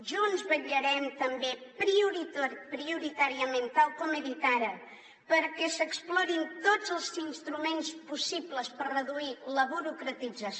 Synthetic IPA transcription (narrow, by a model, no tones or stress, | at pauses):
ʒɔənzβəʎəɾɛmt̪əmbepɾiuɾipɾiuɾit̪aɾiəment̪alˠkɔməðit̪aɾə | pəɾkɛsəksplɔɾint̪od͡zəlˠzinst̪ɾumenspusipləspəɾrəðuiləβuɾukɾət̪id͡zəs